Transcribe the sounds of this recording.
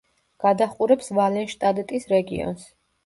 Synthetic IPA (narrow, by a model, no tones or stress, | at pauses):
ɡ̥ad̪aχʼuɾɛpsvalɛnʃt̪ʼad̪ɛt̪ʼisɾɛɡḭɔ̰ns